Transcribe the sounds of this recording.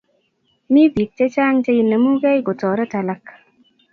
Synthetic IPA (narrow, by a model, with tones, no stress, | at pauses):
mi˦bi˨t̚t͡ʃe˦t͡ʃa˦ŋt͡ʃe˧jinə˨mu˦ɡɛ˦jɡo˨tɔ˨ɾɛ˦ta˨la˦k